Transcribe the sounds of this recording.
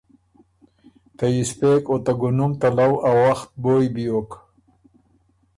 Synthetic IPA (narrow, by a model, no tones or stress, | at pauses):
t̪ajispekot̪aɡʊnumt̪alawawaxt̪̚bojbijok